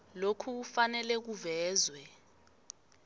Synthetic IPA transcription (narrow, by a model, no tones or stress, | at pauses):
lokʰuk̬ufanɛlɛk̬uvɛːzwɛ